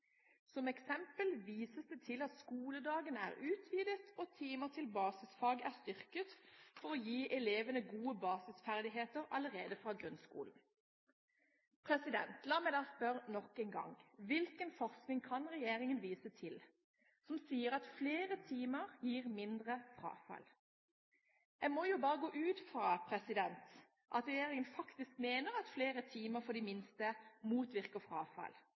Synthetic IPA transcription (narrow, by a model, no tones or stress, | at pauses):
sɔmɛksɛmpəlʋiːsəsd̪ɛt̪ʰɪlɑt̪skuːləd̪ɑːɡənəæ̰ːʁʉːt̪ʰʋiːd̪ət̪ʰɔt̪ʰiːməʁt̪ʰɪlbɑːsɪsfɑːɡæːʁst̪ʏʁkət̪fɔʁɔjiːʔɛleːʋənəɡuːəbɑːsɪsfæʁd̪ɪɦeːt̪əʁɑləʁeːd̪əfʁɑːɡʁʉnskṵːln̩ | pʰʁɛsɪd̪ɛ̰nt̪ʰlɑːmɛɪd̪ɑːspœʁnɔkːɛnɡɑ̰ŋʋɪlkənfɔʁsknɪŋkʰɑnʁɛjeːʁɪŋənʋiːsət̪ʰɪl | sɔmsiːəɾɑt̪fleːʁət̪ʰiːməʁjiːʁmɪnd̪ʁəfɾɑ̰ːfɑ̰l | æmɔjubɑːʁəɡoːʔʉːt̪fʁɑːpʰɾɛsɪd̪ɛnt̪ | ʔɑt̪ʁɛjeːʁɪŋənfɑkt̪ɪskmeːnəʁɑt̪fleːʁət̪ʰiːməfɔd̪iːmɪnst̪əmuːt̪ʋɪʁkəfʁɑ̰ːfɑ̰l